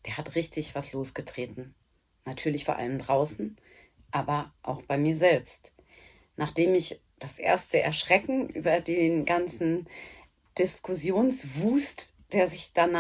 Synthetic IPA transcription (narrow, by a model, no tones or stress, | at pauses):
d̥eːɐhatʁɪçtɪçv̥asloːsɡ̥ətʁ̥eːtn̩ | natʰyːɐlɪçfoɐʔa̰ləmdʁaʊsn̩ | ʔaːbɐʔa̰ʊxb̥aɪmiːɐzɛlpst | nʔaːχd̥eːmɪç | d̥asʔḛːɐstəʔɛ̰ɐʃʁ̥ɛkŋ̩ʔy̰ːbɐdeːnɡant͡sn̩ | d̥ɪskʰʊsjoːnsvuːst | d̥eːɐzɪçd̥ana